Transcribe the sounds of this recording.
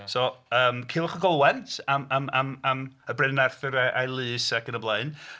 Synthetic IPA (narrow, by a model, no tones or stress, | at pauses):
sɔəːmkʰiːlˠɔχəɡɔlˠwɛntʰamamamaməbrɪnɛrθɨɾaʔajlˠɨːsaɡənəblˠeɨn